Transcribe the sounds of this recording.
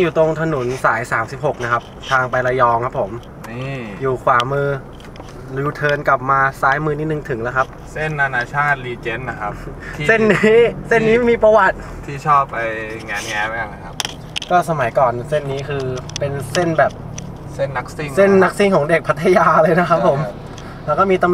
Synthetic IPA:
juː˨˩t̪o˧ŋt̪ʰa˧nu˩˦nsaː˩˦jsaː˩˦msi˨˩p̚ho˨˩k̚na˦˥kʰa˦˥p̚t̪ʰaː˧ŋpa˧jla˧jɔː˧ŋkʰa˦˥pʰːo˩˦m | i˥˩juː˨˩kʰwaː˩˦mɯː˧ | luː˨˧˩t̪ʰɤː˧nka˨˩p̚maː˧saː˦˥jmɯː˧niː˦˥t̪̚nɯ˨˩ŋt̪ʰɯ˩˦ŋlɛ˦˥kʰa˦˥p̚ | se˥˩nːa˧naː˧t͡ɕʰaː˥˩t̪̚liː˧t͡ɕe˦˥nːa˦˥kʰa˦˥p̪̚ʰːse˥˩nːi˦˥˦se˥˩nːiː˦˥miː˧pɾa˧wa˨˩t̪̚ | t̪ʰiː˥˩t͡ɕʰɔː˥˩pːa˧jŋɛː˧˥nŋɛ˦˥ba˦ja˧˩ŋa˦jkʰa˦˥p̚ | kɔː˥˩sa˧ma˨˩˦jkɔː˨˩nse˥˩nːiː˦˥kʰɯː˧pe˧nse˥˩nbɛː˨˩p̚ | se˥˩nːa˦˥k̚si˥˩se˥˩nnːa˦˥k̚si˥˩ŋkʰɔː˩˦ŋde˨˩k̚pʰa˦˥t̪ʰːa˧jaː˧lɤː˧jna˦˥kʰa˦˥pʰːo˨˩˦m | lɛ˦˥wkɔː˥˩miː˧t̪a˧m

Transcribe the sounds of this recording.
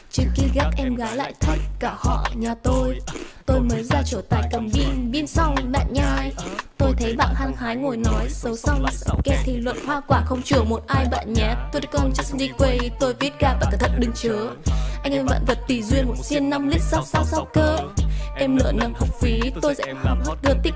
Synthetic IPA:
t͡ɕɨ˧ŋki˧ɣa˦˥k̚ʔɛ˧mɣaː˨˦jla̰ː˧˨jt̪ʰə˦˥jk̚kaː˧˩hɔ̰˧˨ɲaː˨˩t̪o˧jt̪o˧jməː˨˦jzaː˧t͡ɕo˧˩t̪a̰ː˧˨˩jkə˨˩ŋ͡mɓi˧nɓi˧ənsa˧wŋ͡mɓa̰ː˧˨nɲaː˧˩jt̪o˧jt̪ʰə˨˦jɓa̰ː˧˨nhaː˧ŋhaː˨˦jŋo˨˩jnɔ˨˦jsə˨˦wsɔ˧wŋ͡msɛ̰˧˥kɛ˦t̪ʰi˨˩lwə̰˧˨n̚hwaː˧kwaː˧˩xə˧wŋ͡mt͡ɕɨ˧˩əmo˨˩t̚ʔaː˧jɓa̰ː˧˨nɲɛ˨˦˥t̚t̪o˧ɗkɔ˧nt͡ɕɔ˨˦˥sɗi˧kwe˧jt̪o˧jvi˦˥ət̚kaː˧˩vaː˨˩kaː˨˧˩t̪ʰə˨˩ɗɨ˨˩ŋt͡ɕəː˨˦ʔa˧jŋ̟ʔə˧˩va̰ː˧˨nvə˨˩t̚t̪i˧˩zwi˧ənmo˨˩t̚si˧ənːa˧mli˦˥t̚sa˦˥wk͡p̚sa˧wsa˧wkəː˧ʔɛ˧mlə̰ː˧˩nə˧˩mhə˨˩wk͡p̚fi˨˦t̪o˧jsɛ̰˧˥hə˨˩w̚hə˦˥t̚ɣəː˨˧˩t̪ï˦˥

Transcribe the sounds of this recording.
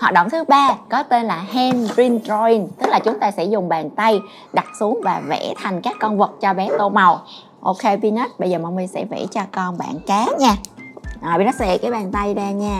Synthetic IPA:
hwaː˨˩t̚ɗə̰˧˨wŋ͡mt̪ʰɨ˨˦ɓaː˧kɔ˨˦t̪e˧nlaː˨˩hɛ˧nɹi˧nzɔ˧i˧nt̪ɨ˦˥k̚laː˨˩t͡ɕʊ˨˦ŋ͡mt̪aː˧sɛ̰˧˥zʊ˨˩ŋ͡mɓa̰ː˨˩nt̪a˧j | ɗa˨˩t̚su˨˦əŋvaː˨˩vɛ̰˧˥t̪ʰa˨˩jŋ̟kaː˦˥kːɔ˧nvɨ˨˩t̚t͡ɕɔ˧ɓɛ˨˦t̪o˧ma˨˩w | ʔo˧kʰe˧vi˧nə˦˥t̚ɓə˧jzəː˨˩ma˧wmi˨˧˩sɛ̰˧˥vɛ̰˧˥t͡ɕɔ˧kɔ˧nɓa̰ː˧˨nkaː˨˦ɲaː˧ʔaː˨˩ɓi˧˩nɔ˨˦sɛ̰˧˨kaː˨˦jɓaː˨˩nt̪a˧jzaː˧ɲaː˧

